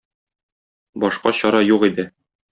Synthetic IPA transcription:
bɒʃqɑɕɒɾɑjuʁid̪ɘ

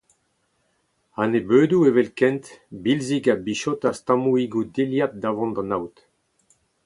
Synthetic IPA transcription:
anebøːd̪uevelkɛ̃nt̪bilziɡabiʃot̪ast̪ãmuiɡud̪eljat̪̚davɑ̃nd̪ɑ̃nawt̪

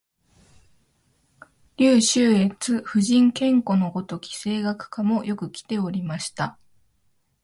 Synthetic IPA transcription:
ɾʲɨːɕɨːe̞t͡sɨɸɯ̟ʑĩŋkẽ̞ŋko̞no̞ɡo̞t̪o̞kʲi̥se̞ːɡakɯ̟̥kamo̞jo̞kɯ̟kʲi̥t̪e̞o̞ɾʲimaɕi̥t̪a

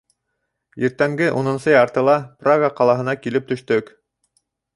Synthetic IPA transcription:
jiɾt̪æmɡɘʔunɤ̆nsɤjɑɾt̪ɤ̆lˠɑpraɡəqɑlˠɑɦɤ̆nɑkilɘp̚t̪ɵ̆ʃt̪ɵk

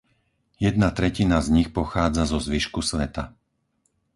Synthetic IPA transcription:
jɛd̪̚nat̪ɾɛcinazɲixpɔxaːd͡zazɔzʋiʃkusʋɛt̪a

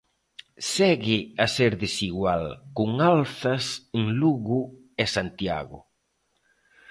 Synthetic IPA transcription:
sɛɣɪaseɾðesiɣwalkʊŋalθɐseŋluɣu | ɛsant̪ja̰ɣʊ̰

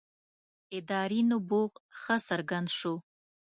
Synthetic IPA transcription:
ɪd̪ɑɾinoboɣxəsəɾɡand̪ʃo

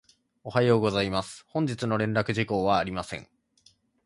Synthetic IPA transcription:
o̞hajo̞ːɡo̞zaimasɨ̥hõ̞ɲ̟d͡ʑit͡sɨno̞ɾẽ̞nɾakɯ̟ʑiko̞ːβaːɾʲimasẽ̞̰ŋ

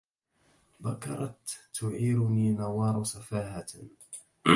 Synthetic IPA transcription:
bakɑ̰ɾˤɑt̪ːʊʕiːɾʊniːnawɑːɾˤsafaːha

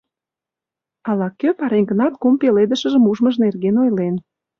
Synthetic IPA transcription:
ɑlɑkøpɑɾeŋɡənɑt̪kumpeled̪əʃə̆ʒə̆muʒməʒnerɣenojlen

